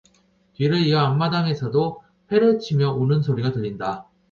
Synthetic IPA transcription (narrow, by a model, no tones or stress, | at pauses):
tɥiɾɯɭiʌamːadaŋe̞sʰʌdo | ɸe̞ɾɯt͡ɕʰimjʌonɯnsʰoɾiɡatɯʎːinda